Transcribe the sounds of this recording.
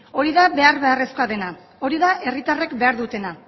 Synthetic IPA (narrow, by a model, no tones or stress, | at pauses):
o̞ɾiðaβe̞aɾβe̞are̞sko̞aðe̞na | o̞ɾiðaʔe̞rit̪are̞kbe̞aɾðut̪e̞na